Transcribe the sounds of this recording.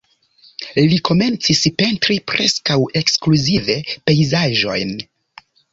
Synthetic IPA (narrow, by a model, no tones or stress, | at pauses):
liko̞me̞nt͡sispe̞ntɾipɾe̞skawe̞kskluzive̞pe̞jzaʒo̞̰jn